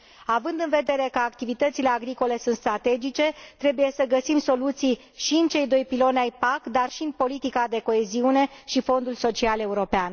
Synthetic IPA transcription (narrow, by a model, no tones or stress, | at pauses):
avɨnd̪ɨnve̞d̪e̞ɾe̞kəakt̪ivit̪ət̪sile̞aɡɾiko̞le̞sunt̪st̪ɾat̪e̞d͡ʒit͡ʃe̞t̪ɾe̞buje̞səɡəsimso̞lut̪sij | ʃiɨnt͡ʃe̞jd̪o̞jpilo̞neajpakd̪arʃiɨnpo̞lit̪ikad̪e̞ko̞e̞ziune̞ʃifo̞nd̪ulso̞t͡ʃiale̞uɾo̞pean